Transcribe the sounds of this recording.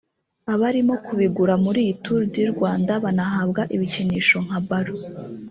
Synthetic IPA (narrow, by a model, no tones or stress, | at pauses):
aβaɾimo̞kuβiɡuɾamuɾituɾddiɾɡwaːndaβanaɦabɡaʔiβiciniːʃo̞ŋ̥habaɾo